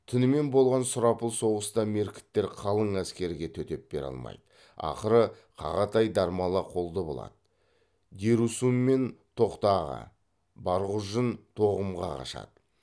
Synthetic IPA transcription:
t̪ʰʏnɪme̞nbo̞lˠʁɑnsʊɾɑpəlˠso̞ʁəst̪ɑme̞ɾkʲɪ̥t̪ːe̞ɾqʰɑlˠəɴæskʲe̞ɾɪɡʲe̞t̪ʰɵt̪e̞p̚be̞ɾɑ̰lˠmɑ̰jd̪ə | ɑ̰qəɾə | qʰɑ̰ʁɑt̪ʰɑjd̪ɑɾmɑlˠəqʰo̞lˠd̪əbo̞̰lˠɑ̰d̪ə | d̪eɾusumːe̞nt̪ʰo̞qt̪ɑʁə̰ | bɑɾʁʊʒənt̪ʰo̞ʁəmʁɑqʰɑ̰ʃɑ̰d̪̥ə

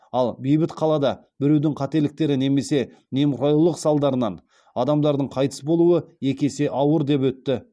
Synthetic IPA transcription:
ɑlˠbijbɪt̪qʰɑlˠɑd̪ɑ | bɪɾe̞wd̪ɪŋqʰɑt̪e̞lɪk̚t̪e̞ɾɪne̞me̞se̞ | ne̞mɾojulˠəqsɑlˠd̪ɑɾənɑn | ɑd̪ɑmd̪ɑɾd̪əɴqʰɑjt̪ə̥sbo̞lˠuəe̞kʲe̞se̞ʔɑwəɾd̪e̞pwɵt̪ːɪ

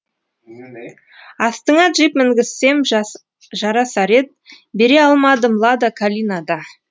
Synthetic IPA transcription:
ɑst̪əɴɑt̪ʒijpmɪŋɡʲɪsːe̞m | ʒɑɾɑsɑɾe̞t̪̚ | be̞ɾe̞ɑlˠmɑd̪əmlˠɑd̪əkʰalʲinad̪ɑ

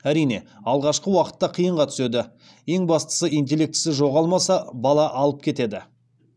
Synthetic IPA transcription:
æɾijne̞ɑlˠʁɑʃqəwɑqə̥t̪ːɑqʰijəɴʁɑt̪ʰʏ̥se̞d̪ɪ | je̞ŋbɑst̪ə̥səijnt̪̬ʲe̞le̞k̚t̪ɪ̥sɪʒo̞ʁɑlˠmɑsɑbɑlˠɑʔɑlˠəp̚kʲʰe̞t̪e̞d̪ɪ

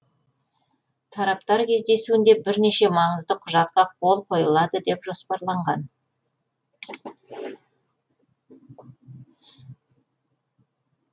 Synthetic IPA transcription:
t̪ʰɑɾɑpt̪ɑɾkʲʰe̞zd̪e̞suwɪnd̪e̞bɪɾne̞ʃe̞mɑɴəzd̪əqʰʊʒɑt̪̚qɑqʰo̞lˠqʰo̞jəlˠɑd̪əd̪e̞pʒo̞spɑɾlˠɑɴʁɑn

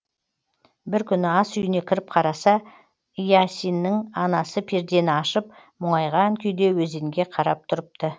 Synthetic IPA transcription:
bɪɾkʲʰʏnɪɑsʏjɪne̞kʲʰɪɾɪp̚qʰɑɾɑsɑ | ijasʲinːɪŋɑnɑsəpʰeɾd̪e̞nɪɑʃəp̚ | mʊɴɑjʁɑŋkʲʰʏjd̪e̞wɵzeŋɡʲe̞qʰɑɾɑp̚t̪ʰʊɾəp̚t̪ə

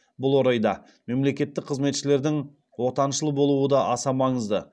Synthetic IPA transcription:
bʊlˠwo̞ɾɑjd̪ɑ | me̞mle̞kʲe̞t̪ːɪk̚qʰəzme̞t̪ʃɪle̞ɾd̪ɪŋ | wo̞t̪ɑnʃəlˠəbo̞lˠuwəd̪ɑʔɑsɑmɑɴəzd̪ə

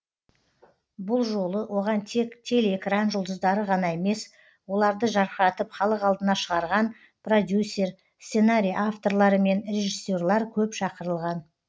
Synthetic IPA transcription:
bʊlˠʒo̞lˠəwo̞ʁɑnt̪ʰe̞kt̪ʰe̞leekranʒəʊlˠd̪əzd̪ɑɾəʁɑnɑe̞me̞s | wo̞lˠɑɾd̪əʒɑɾqəɾɑt̪əpχɑlˠəqɑlˠd̪ənɑʃəʁɑɾʁɑn | prod̪ʲjusʲːe̞r | ssenaɾʲijʔaft̪o̞ɾlˠɑɾəme̞nrʲe̞ʒisʲːo̞rlˠɑɾkʲʰɵpʃɑqəɾəlˠʁɑn

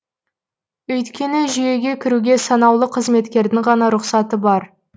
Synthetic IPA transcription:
ɵjt̪kʲe̞nɪʒije̞ɡʲe̞kʲʰɪɾuɡʲe̞sɑnɑwlˠəqʰəzme̞t̪kʲe̞ɾd̪ɪŋʁɑnɑɾʊqsɑt̪əbɑɾ

